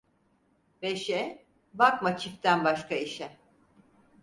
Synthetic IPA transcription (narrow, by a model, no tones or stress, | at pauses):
beʃɛ | bakmat͡ʃʰift̪ænbaʃkaiʃɛ